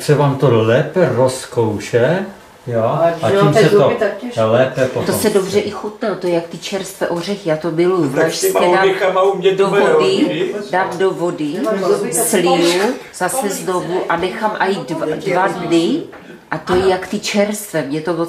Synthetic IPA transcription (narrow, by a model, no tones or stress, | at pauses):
ksɛvaːmt̪olɛːpɛroskowʃɛ | joaimsɛolɛːpɛpot̪osɛdobr̝ɛʔɪxut̪nɛt̪ojɛjakt̪ɪt͡ʃɛɾst̪vɛʔor̝ɛxjaːt̪omɪlujuvlaʃsɛdaamaumɲɛdovodɪdaːmdovodɪ | sliuzasɛznovuʔanɛxamʔajidadvadnɪ | ʔat̪ojɛjakt̪ɪt͡ʃɛɾst̪vɛmɲɛt̪ovo